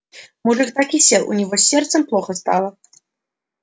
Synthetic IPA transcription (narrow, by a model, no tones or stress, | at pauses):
mɔʐɨxt̪akʲisʲɛlˠṵnʲiɣɔsʲːɛrt̪sɐmplˠɔxɐst̪alˠɐ